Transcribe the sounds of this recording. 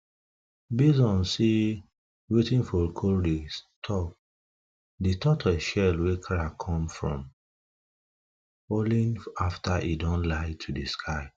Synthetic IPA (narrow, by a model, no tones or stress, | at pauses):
bizɔ̃nsi | wetĩnfɔɹkʰoldestʰɔk̚ | ditʰɔtʰɔʃɛlwekʰaɹakʰɔ̃mfɹɔ̰̃m | olĩnaftʰaʔidɔ̃nlaɪtʰudiskʰaɪ